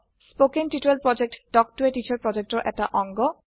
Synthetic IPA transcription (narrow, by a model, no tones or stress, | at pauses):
spokenʈiʈuelpɾɔd͡ʑek̚ʈɖɔk̚ʈueʈit͡ɕaɾpɾɔd͡ʑek̚ʈoɾʔɛ̰k̚ʈaʔɔŋɡɔ